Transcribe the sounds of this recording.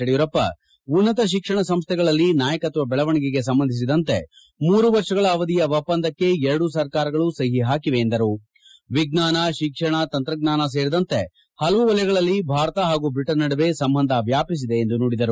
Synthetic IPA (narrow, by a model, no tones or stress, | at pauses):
ɐɽijɐɾɐpːɐ̰ | unːɐt̪ɐʃ̬ikʂɐɳɐsɐmst̪ʰɛɡɐɭɐlːinaːjɐkɐt̪ʋɐbɛɭɐʋɐɳiɡiɡe̞s̬ɐmbɐnd̪ʱis̬id̪ɐnt̪e̞ | muːɾuʋɐɾʂɐɡɐɭɐːʋɐd̪ijɐʋɐpːɐnd̪ɐkːe̞ɛɾɐɽus̬ɐɾkaːɾɐɡɐɭusɐɦiɦaːkiʋe̞ːnd̪ɐɾu | ʋiɡnaːnɐʃikʂɐɳɐt̪ɐnt̪ɾɐɡnaːnɐs̬e̞ːɾid̪ɐnt̪e̞ | hɐlɐʋuʋɐljɐɡɐɭɐlːibʱaːɾɐt̪ɐɦaːɡubiʈːɐɾnɐɽɐʋe̞sɐmbɐnd̪ʱɐʋjaːpis̬id̪e̞ːnd̪unoːɽid̪ɐɾu